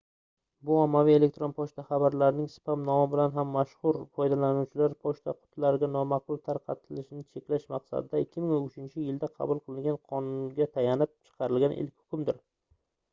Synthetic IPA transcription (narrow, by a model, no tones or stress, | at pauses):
bʊɒmːavije̞le̞kt̪ɾo̞npʰɒʃt̪ʰaχɑbaɾlaɾɪnɪŋsɪ̥pʰamnɒmɪbɪlanɦamːaʃhʊɾfɒjd̪alanuwt͡ʃʰɪlaɾpʰɒʃt̪ʰaqʰʊ̥t̪ʰlaɾɪɡʲanɒmɑq̚bʊlˠt̪ʰaɾqʰɑt̪ʰɪlɪʃɪnɪt͡ʃʰe̞kʲlaʃmɑqsa̰d̪ɪd̪aɪkʲʰːɪmɪŋonʊt͡ʃʰɪnt͡ʃʰɪjɪld̪aqʰɑ̰bʊlˠqʰɨlˠɪŋɡʲanqʰɒnʊnɡʲat̪ʰajanɪp̚t͡ʃʰɨ̥qʰɑɾɪlɡʲanʔɪ̰lkʲhʊ̥kʰʲʊmd̪ɪɾ